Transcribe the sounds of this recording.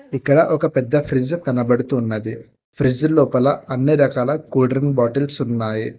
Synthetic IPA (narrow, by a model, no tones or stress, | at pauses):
ikːɐɽɐʔɔkɐpɛd̪ːɐfʰɾid͡ʒk̪ɐnɐbɐɽut̪uːnːɐd̪i | pʰɾid͡ʒlɔːpɐlɐɐnːiɾɐkaːlɐkuːɖɾɐnbaːʈɐlsunːaːji